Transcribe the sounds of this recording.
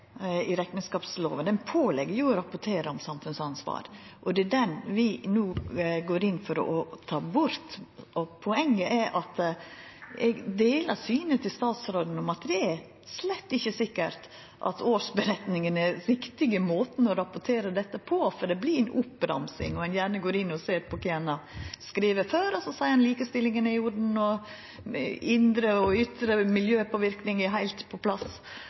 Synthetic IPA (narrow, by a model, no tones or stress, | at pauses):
ɪɾɛkənskɑːpslo̰ːʋənɛnpʰoːlɛɡːəɾjʊɾɑpʊʈʰeːɾəɔmsɑmfʉnsɑnsʋɑ̰ːɾʔɔd̪ɛd̪ɛnʋɪnuːɡoːɾɪnːfɔɾɔ̰ʔɔt̪ʰɑːbʊɾt̪ɔpʰɔɛŋːəʔɛʔɑt̪ | ɛɡd̪eːləsyːnət̪ʰɪlst̪ɑːt̪sɾoːd̪n̩ɔmɑt̪d̪ɛæɾ | slɛt̪ːɪçːəsɪkːəɾt̪ | ʔɑ̰t̪ʰoːʂbəɾɛt̪nɪŋənɛɾʋɪkt̪ɪɡəmoːt̪ən̩ɔɾɑpʊʈ̪ʰeːɾəd̪ɛt̪ːəpʰɔfɔɖ̪ɛblɪɾɛnʊpːɾɑ̰msɪ̰ŋɔɛnjæːɳəɡoːɾɪnːɔseːɾpʰɔkʰenɑskɾiːʋəɾføːɾɔsɔsæɪɑnliːkəst̪ɪlːɪŋənɪʊɖn̩ɔ | ɪnd̪ɾəɔʏt̪ɾəmɪljøːpʰɔʋɪɾknɪŋɪɦæɪlt̪pʰɔpʰlɑs